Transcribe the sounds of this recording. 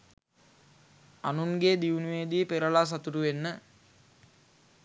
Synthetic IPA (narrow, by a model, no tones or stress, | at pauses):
anuŋɡed̪iunuʋeːd̪ipeɾəlas̬at̪uʈuʋenːə